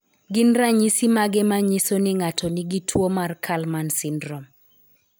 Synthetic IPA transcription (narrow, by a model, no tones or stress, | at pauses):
ɡɪnraɲisimaɡɛmaɲisonɪŋatɔniɡitʰwomarkʰalmansɪndrɔm